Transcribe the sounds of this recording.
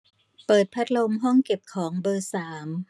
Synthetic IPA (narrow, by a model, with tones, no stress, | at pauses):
pɤː˨˩t̪̚pʰa˦˥t̪̚lo˧mɦɔ˥˩ŋke˨˩p̚kʰɔː˩˦ŋbɤː˧saː˩˦m